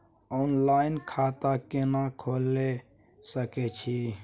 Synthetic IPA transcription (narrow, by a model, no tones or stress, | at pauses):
oːnlaːɪnkʰaːt̪aːkenakʰoːlːe | səket͡ʃʰiː